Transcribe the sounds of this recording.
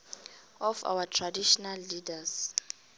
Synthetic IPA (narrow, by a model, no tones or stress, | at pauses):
ɔfa̰watʰradiʃɔnalːidas